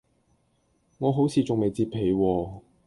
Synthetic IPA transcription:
ŋɔː˨˧ɦo˨˥wt͡sʰiː˨˧t͡sʊ˨ŋme˨jt͡siː˧pʰe˨˧jwɔː˧

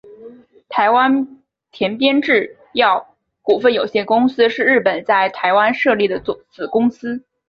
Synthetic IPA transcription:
t̪ʰa˧˥ɪwa˥n | t̪ʰjɛ˧˥npjɛ˥nʈ͡ʂɻ̩˥˩ | jɑ˥˩ʊ | ku˨˩fə˥˩njo˨˩ʊɕjɛ˥˩nkʊ˥ŋsɹ̩˥ʂɻ̩˥˧ɻ̩˥˩pə˨˩nt͡sa˥˩ɪt̪ʰa˧˥ɪwa˥nʂɤ˥˧li˥˩d̪ə˩˧˩t͡sɹ̩˨˩kʊ˥ŋsɹ̩˥

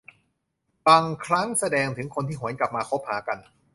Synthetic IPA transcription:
baː˧ŋkʰɾa˦˥ŋsa˧dɛː˧ŋt̪ʰɯ˩˦ŋkʰo˧nt̪ʰiː˥˩ɦu˩˦ənkla˨˩p̚maː˧kʰo˦˥p̚haː˩˦˥ka˧n

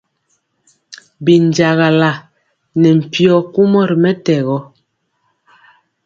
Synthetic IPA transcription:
bi˨n˨d͡ʒa˨ɣa˨la˨ | nɛ˨m̩˨pjɔ˦˨ku˦mɔ˦˨ɾi˨mɛ˦tɛ˨ɣɔ˦

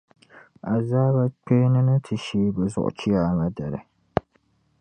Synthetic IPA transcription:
a˨zaː˦ba˦k͡pe˦nɨ˦nɨ˦tʰɨ˨ʃiː˦bɨ˨zʊ̰˨ʔʊ̰˨t͡ʃi˦a˨ŋa˨da˨ɾɨ̰˨

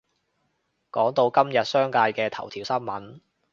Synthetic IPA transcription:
kɔː˨˥ŋt̪o˧wkɐ˥mjɐ˨t̚sœː˥ŋkaː˧jkɛː˧t̪ʰɐ˨˩wt̪ʰiː˨˩wsɐ˥nmɐ˨˥n

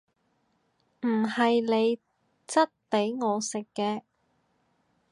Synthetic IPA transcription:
m̩˨˩hɐ˨jle˨˧j | t͡sɐ˥t̚pe˨˥jŋɔː˨˧sɪ˨kːɛː˧

